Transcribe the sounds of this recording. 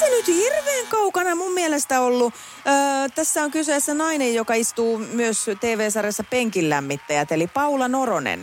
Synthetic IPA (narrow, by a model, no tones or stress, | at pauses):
senyt̪hirʋeːŋkɑukɑnɑmummiɛlest̪æolːu | əːt̪æsːæoŋkyseːsːænɑinejjokɑist̪uːmyøst̪eːʋeːsɑrjɑsːɑpeŋkilːæmːit̪ːæjæt̪elipɑulɑnoronḛn